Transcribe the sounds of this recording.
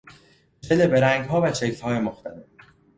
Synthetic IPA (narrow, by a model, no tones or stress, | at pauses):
elebe̞ɾæŋɡɦɒːvæt͡ʃʰecʰlhɒːjemoxt̪ʰælef